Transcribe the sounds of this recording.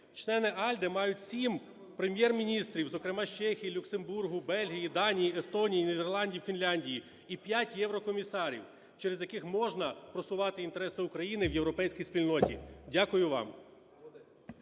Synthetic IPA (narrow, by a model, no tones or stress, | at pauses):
t͡ʃlˠɛnɪʔɑlʲd̪ɛmɑjʊtʲsʲim | pɾemʲjɛrmʲinʲist̪ɾʲiwzɔkɾɪmɑʃt͡ʃɛxʲijilʲʊksemburɦʊbɛlʲɦʲijid̪ɑnʲijiest̪ɔnʲijinʲid̪erlˠɑnʲdʲiwfʲinlʲanʲdʲiji | ipʲjatʲjɛwɾɔkɔmʲisɑɾʲḭw | t͡ʃɛɾezjɐkɪxmɔʒnɐpɾɔsʊʋɑt̪ɪint̪eɾɛsɪʊkɾɐjinɪwjewɾɔpɛjsʲkʲijspʲilʲnɔtʲḭdʲakʊjʊʋɑ̰m